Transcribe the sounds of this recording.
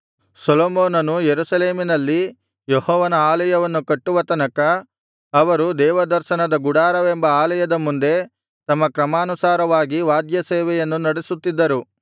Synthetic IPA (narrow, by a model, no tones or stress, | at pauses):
soloːmoːnɐnujeɾusɐleːminɐlːi | jɔhɔːʋɐnɐaːlɐjɐʋɐnːukɐʈːuʋɐt̪ɐnɐkɐː | ʋɐɾud̪ɛːʋɐd̪ɐɾʃɐnɐd̪ɐɡuɽaːɾɐʋembɐaːlɐjɐd̪ɐmund̪e̞ | t̪ɐmːɐkɾɐmaːnusaːɾɐʋaːɡiʋaːd̪jɐseːʋɛjɐnːunɐɽisut̪ːid̪ːɐɾu